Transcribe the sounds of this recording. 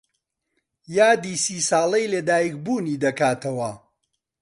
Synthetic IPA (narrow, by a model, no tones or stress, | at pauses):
jaːd̪iːsiːsɑːlˠɐjled̪aːjikbuːniːd̪ɐkaːt̪ʰɐwɐ